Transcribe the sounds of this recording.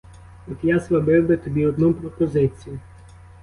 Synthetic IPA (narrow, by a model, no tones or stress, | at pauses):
ɔk̪jasʋɐbɪwbɪt̪ɔbʲiɔd̪nupɾɔpɔzɪt͡sʲijʊ